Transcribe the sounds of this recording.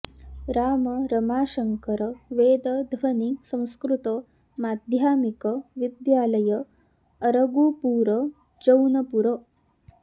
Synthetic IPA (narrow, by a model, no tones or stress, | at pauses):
ɾaːmɐɾɐmaːʃɐŋkɐɾɐʋeːd̪ɐd̪ʱʋɐnisɐ̃w̃skɾut̪ɐ | maːd̪ʱjaːmikɐʋid̪jaːlɐjɐː | ɾɐɡuːpuːɾɐ | d͡ʒɐwnɐpuɾɐ